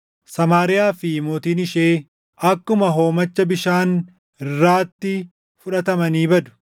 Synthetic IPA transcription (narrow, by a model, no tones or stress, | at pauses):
sɐmaːɾɪjaːfɪmoːt̪iːnɪʃeː | ʔɐkːʊmɐɦo̞ːmɐt͡ʃːɐbɪʃaːn | ɪrːaːt̪ːɪ | fʊᶑɐt̪ɐmɐniːbɐd̪ʊ̥